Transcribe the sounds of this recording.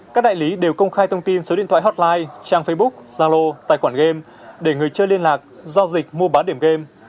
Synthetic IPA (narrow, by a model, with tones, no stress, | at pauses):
kaː˦˥k̚ɗa̰ː˧˨jli˨˦ɗe˨˩wkə˧wŋ͡mxaː˧jt̪ʰə˧wŋ͡mt̪i˧nso˨˦ḭ˧˨nt̪ʰa̰ː˧˨ɦɔ˦˥t̚laː˧jt͡ɕaː˧ŋfə˧jɓʊ˦˥k̚zaː˧lo˧t̪a̰ː˧˨jxwaː˧˩nɣe˧m | ɗe˧˩ŋɨ˨˩əjt͡ɕəː˧jli˧ənlaː˨˩k̚zɔ˧zï˨˩k̚mu˧əɓaː˨˦ɗi˧˩əmɣe˧m